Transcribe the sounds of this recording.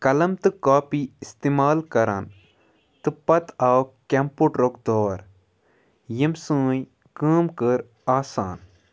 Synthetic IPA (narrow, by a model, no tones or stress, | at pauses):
kɐlɐmt̪ɨkaːpiist̪eːmaːlkɐɾan | t̪ɨpɐt̪awkempuʈɾok̚d̪oːɾ | jimsɨ̃ːj | kɨːmkəɾ | aːsa̰ːn